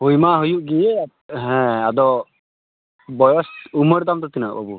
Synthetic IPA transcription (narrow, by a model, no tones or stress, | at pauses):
hujmaɦujuʔɡij | ɦɛ̃ad̪ɔ | bɔjɔsuməɾd̪amt̪ɔt̪ina̰ʔbabu